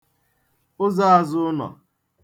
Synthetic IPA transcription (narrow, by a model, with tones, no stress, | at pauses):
ʊ˦za˦a˨zʊ˦nɔ̰˨